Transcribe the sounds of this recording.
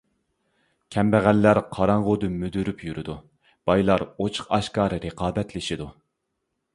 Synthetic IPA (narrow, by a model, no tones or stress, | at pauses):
kʲʰɛmbæʁælːæɾqʰɑɾɑɴʁʊd̪ymyd̪yɾypjyɾʔɪd̪u | b̥ɑjlˠɑɾot͡ʃʰə̥qɑʃkɑːɾɨɾəqʰɑːbɛt̪lɪʃid̪u